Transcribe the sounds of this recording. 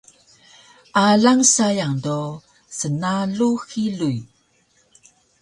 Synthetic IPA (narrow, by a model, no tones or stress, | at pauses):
ʔaɮaŋsajaŋdo | sənaɮuxiɮuj